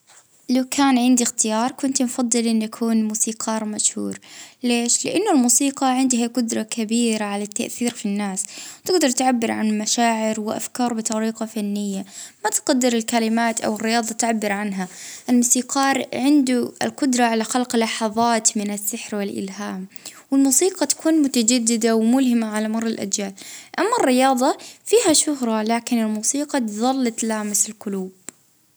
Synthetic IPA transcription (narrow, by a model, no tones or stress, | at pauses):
lawkʰaːnʕɪnd̪ixt̪ɪjɑːɾˤkʊnt̪mfɑd̪ˤːɨlʔɪnːʔakʰuːnmuːsiːqʰɑːɾˤmaʃhṵːɾleːʃlɪʔanːʊlmuːsiːqɑʕɪnd̪haqʊd̪ɾˤɑkʰabiːɾaʕalat̪ːa̰ʔθiːɾfinːaːswt̪ɪɡd̪ɑɾˤt̪ʕabːɪɾʕa̰nmaʃaːʕɪɾwɪʔa̰fkɑːɾˤbɨt̪ˤɑɾiːqɑfanːɪjːamat̪qad̪ːɪɾɪlkalɪmaːt̪ʔa̰wɪrːɪjɑːðˤɑt̪ʕabːɪɾʕanɦaʔɪlmʊsiːqɑːɾʕɪnd̪uɪ̰lqʊd̪ɾˤɑʕalaxalqlːɑħɑðˤɑːt̪mɪnasːɪħɾwɪlʔɪ̰lɦaːmwɪlmuːsiːqɑt̪ḁkʰuːnmʊt̪ad͡ʒad̪ːɪd̪awmʊlɦɪmaʕalamɑrˤːɪlʔa̰d͡ʒjaːlʔamːarːɪjɑːðˤɑfiːhaʃʊhɾˤɑlaːkɪnɪlmuːsiːqɑt̪ðˤɑlːɑt̪laːmɪsɪlqʊluːb̚